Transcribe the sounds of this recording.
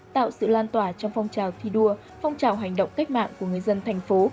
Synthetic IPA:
t̪a̰ː˧˨wsɨ̰˧˨laː˧nt̪waː˧˩t͡ɕɔ˧wŋ͡mfɔ˧wŋ͡mt͡ɕaː˨˩wt̪ʰi˧ɗu˧ə | fɔ˧wŋ͡mt͡ɕaː˨˩wɦa˨˩jŋ̟ɗə̰˧˨ŋ͡mka˦˥k̟̚ma̰ː˧˨ŋku˧˩əŋɨ˨˩əjzə˧nt̪ʰa˨˩jŋ̟fo˨˦

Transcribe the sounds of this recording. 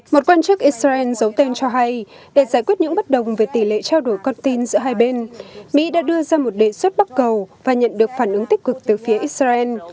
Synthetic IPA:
mo˨˩t̚kwaː˧nt͡ɕɨ˦˥k̚ʔi˦˥t̚aː˧ʔɛ˧nzə˨˦wt̪e˧nt͡ɕɔ˧ɦa˧j | ɗe˧˩zaː˩jkwi˦˥ət̚ɲɨ̰˧˥ŋɓə˦˥t̚ɗə˨˩wŋ͡mve˨˩t̪i˧˩lḛ˧˨t͡ɕaː˧wɗo˧˩jkɔ˧nt̪i˧nzɨ̰˧˥əɦaː˧jɓe˧nmḭ˧˥ɗa̰ː˧˥ɗɨ˧əzaː˧mo˨˩t̚ɗe˨˩swə˦˥t̚ɓa˦˥t̚kə˨˩wvaː˨˩ɲə̰˧˨nɗɨ˨˩ək̚faː˧˩nʔɨ˨˦ŋt̪i˦˥k̚kɨ˨˩k̚t̪ɨː˨˩fi˨˦əʔi˦˥t̚zaː˧ʔɛ˧n

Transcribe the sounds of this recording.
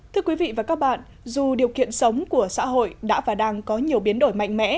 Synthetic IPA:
t̪ʰɨ˨˧˦əkwi˨˦vḭ˧˨vaː˨˩kaː˦˥k̚ɓa̰ː˧˨n | zu˨˩ɗi˨˩əwkḭ˧˨ənsə˨˦wŋ͡mku˧˩əsa̰ː˧˥ɦo̰˧˨jɗa̰ː˧˥vaː˨˩ɗaː˧ŋkɔ˨˦ɲi˨˩əwɓi˨˦ənɗo˧˩jma̰˧˨ŋ̟mɛ̰˧˥

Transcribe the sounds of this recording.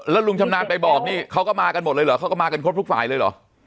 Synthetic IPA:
lɛː˦˥wlu˧ŋt͡ɕʰa˧mnaː˧npa˧jbɔː˨˩k̚niː˥˩kʰa˦˥wkɔː˥˩maː˧ka˧nm̚˨˩lɤː˧jlɯː˩˦kʰa˦˥wkɔː˥˩maː˧ka˧nkʰɾp̚t̪u˥˩faː˨˩˦jlɤː˧jlɔ̰˨˩˦

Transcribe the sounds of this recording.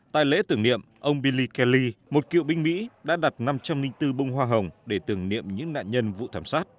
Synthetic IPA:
t̪a̰ː˧˨jlḛ˧˥t̪ɨ˨˩əŋnḭ˧˨əmʔə˧wŋ͡mɓi˧li˧kɛ˧li˧mo˨˩t̚kḭ˧˨əwɓï˧ŋ̟mḭ˧˥ɗa̰ː˧˥ɗa˨˩t̚na˧mt͡ɕa˧mnï˧ŋt̪ɨ˧ɓə˧wŋ͡mɦwaː˧ɦə˨˩wŋ͡mɗe˧˩t̪ɨ˨˧˩əŋnḭ˧˨əmɲɨ̰˧˥ŋna̰ː˧˨nɲə˧nvṵ˧˨t̪ʰaː˧˩msaː˦˥t̚

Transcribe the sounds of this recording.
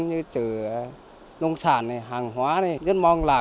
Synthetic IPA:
nɲɨː˧t͡ɕɯː˨˩ | nu˧ŋsaː˧˩nːi˧˩ɦaː˨˩ŋhwaː˨˦˥ni˧˩zɨ˦˥n̚mɔ˧ŋlaː˨˩

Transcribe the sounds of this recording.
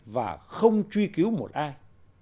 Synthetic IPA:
va̰ː˨˩xə˧wŋ͡mt͡ɕwi˧ki˨˦wmo˨˩t̚ʔaː˧j

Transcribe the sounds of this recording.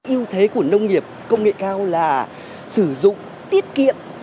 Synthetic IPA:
ʔi˧əwt̪ʰe˨˦ku˧˩ənə˧wŋ͡mŋi˨˩əp̚kə˧wŋ͡mŋḛ˧˨kaː˧wlaː˨˩ | sɨ˧˩zʊ̰˧˨ŋ͡m | t̪i˦˥ət̚kḭ˧˨əm

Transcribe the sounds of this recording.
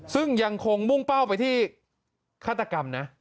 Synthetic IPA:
sɯ˥˩ŋja˧ŋkʰo˧ŋmu˥˩ŋpa˥˩wpa˧jt̪ʰiː˥˩ | kʰaː˥˩a˧ka˧mna˦˥ʔ

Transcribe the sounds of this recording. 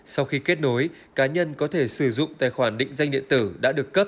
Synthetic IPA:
sa˧wxi˧ke˦˥t̚no˨˦j | kaː˨˦ɲə˧nkɔ˨˦t̪ʰe˧˩sɨ˧˩zʊ̰˧˨ŋ͡mt̪a̰ː˧˨jxwaː˧˩nɗḭ̈˧˨ŋ̟za˧jŋɗḭ˧˨ənt̪ɨ˧˩ɗa̰ː˧˥ɗɨ˨˩əkːə˦˥p̚

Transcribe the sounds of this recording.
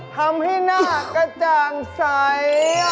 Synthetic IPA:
hɐmɦi˦naː˦kɐ˦t̪aːŋsaː˨je˦

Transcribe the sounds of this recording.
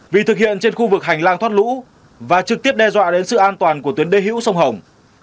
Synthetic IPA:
vi˨˩t̪ʰɨ˨˩k̚hḭ˧˨ənt͡ɕe˧nxu˧vɨ˨˩k̚ɦa˨˩jŋ̟laː˧ŋt̪ʰwaː˦˥t̚lṵ˧˥ | vaː˨˩t͡ɕɨ˨˩k̚t̪i˦˥əp̚ɗɛ˧zwa̰ː˧˨ɗe˨˦nsɨ̰˧˨ʔaː˧nt̪waː˨˩nku˧˩ət̪i˨˦əɗe˨˦ɦḭ˧˥wsə˧wŋ͡mɦə˨˩wŋ͡m

